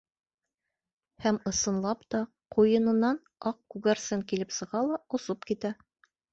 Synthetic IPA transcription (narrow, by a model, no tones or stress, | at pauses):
hæmɤ̆sɤ̆nlˠɑpt̪ɑ | qujɤ̆nɤ̆nːɑn | ɑq̚kʉɡæɾsɘŋkilɘpsɤ̆ʁɑlˠɑŏsɤpkit̪æ